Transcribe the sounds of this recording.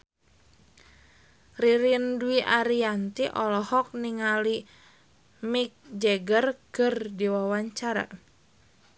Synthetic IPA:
riɾinduiʔaɾiant̪iʔɔlɔhɔk̚niŋali | mik̚d͡ʒɛɡərkɨrdiwawaɲt͡ʃaɾa̰

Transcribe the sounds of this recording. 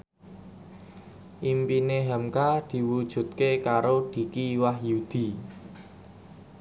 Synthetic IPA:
ʔimpineɦamkad̪̥i̤wud̥ʒ̥ṳt̪̚kekaɾod̪̥i̤kiwahjud̪̥i̤

